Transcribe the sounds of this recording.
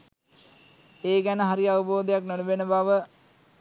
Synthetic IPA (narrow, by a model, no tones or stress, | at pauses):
eːɡænəɦaɾiaʋəboːd̪ejaknoɽuʋenəbaʋə